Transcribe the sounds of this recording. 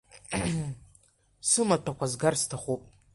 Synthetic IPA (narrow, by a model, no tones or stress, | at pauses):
sɨmatʷʰakʷʰazɡarstʰaχʷopʼ